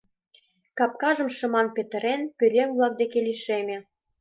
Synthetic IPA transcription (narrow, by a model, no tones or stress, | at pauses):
kɑp̚kɑʒə̆mʃə̆mɑnpet̪ə̆ɾenpyɾʲeŋβlɑk̚d̪ekeliʃemʲe